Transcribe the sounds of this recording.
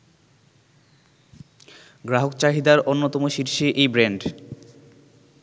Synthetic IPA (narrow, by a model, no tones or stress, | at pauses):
ɡɾaɦokt͡ɕaɦid̪aɾonːot̪ɔmoʃiɾʃiʔejbɾeɳɖ